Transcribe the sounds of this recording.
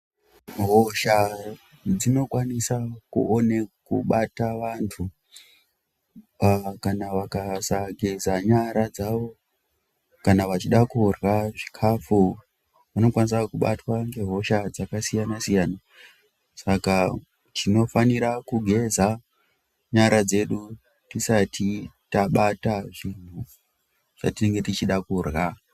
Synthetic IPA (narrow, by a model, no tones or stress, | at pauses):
ɦoʃa | d͡zino̞kwanisakṵʔone̞kṵɓataʋantʰu | kanaʋakasaɡʱe̞zaɲaɾad͡zaʋo̞ | kanaʋat͡ʃiɗakurwaʐikʰafu | ʋano̞kwanisakuɓa̰twaŋɡe̞ɦo̞ʃad͡zakasijanasijaːna | saka | tino̞faniɾakuɡʱe̞za | ɲaɾad͡ze̞ɗu | tisatʰitaɓataʐin̤u | ʐ̥a̰tine̞ŋɡe̞tit͡ʃiɗakurɣa